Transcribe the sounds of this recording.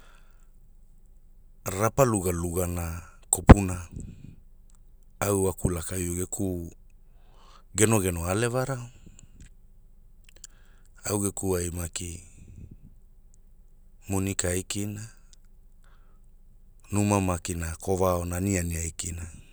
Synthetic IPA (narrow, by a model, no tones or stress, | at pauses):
ɾapaluɡaluɡanakopuna | awakulakajuɡekʰu | ɡenoɡenoalevaɾao | awɡekuajmaki | munikaajkina | numamakinakʰovaonanianiajkina